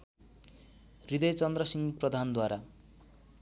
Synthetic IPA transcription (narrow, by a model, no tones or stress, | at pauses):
rid̪ʌjt͡sʌnd̪rʌsiŋprʌd̪ʱand̪waɾa